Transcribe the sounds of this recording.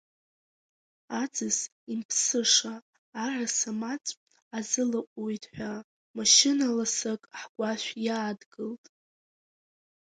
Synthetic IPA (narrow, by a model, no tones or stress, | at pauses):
ad͡zɨs | impʰsɨʂaː | rasamat͡sʷʼ | azɨlaqʷʼojtʰʼħʷᶣa | maʃɪnalasakʼħɡʷaʃʷᶣjaːdɡɨltʼ